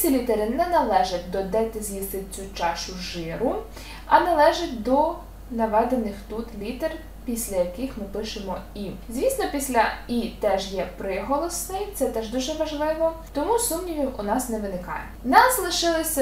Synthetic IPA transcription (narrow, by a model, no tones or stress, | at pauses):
sʲlʲilʲit̪eɾɪnɛnɐlˠɛʒɐt̚ʲd̪ɔd̪ɛt̪ɪzʲjist̪ɪt͡sʲut͡ʃɑʃʊʒɪɾʊ | ɐnɐlˠɛʒɐtʲd̪ɔ | nɐʋɛd̪enɪxt̪ut̪lʲit̪er | pʲisʲlʲɐjɐkɪxmɪpɪʃɪmɔizʲʋʲisnɔpʲisʲlʲɐit̪ɛʒjɛpɾɪɦɔlˠɔsnɪjt̪sɛt̪ɛʒd̪uʒɛʋɐʒlˠɪʋɔt̪ɔmusumnʲiʋʲiwʊnɑsnɛʋɪnɪkɑ̰jɛ | nɑzlˠɪʃɪlˠɪsʲɐ